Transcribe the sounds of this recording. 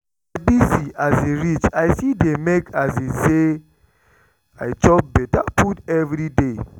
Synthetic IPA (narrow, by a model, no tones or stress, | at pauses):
abisiʔazeɹit͡ʃajsidemekazise | ajt͡ʃɔp̚bɛtapʰutɛvɾide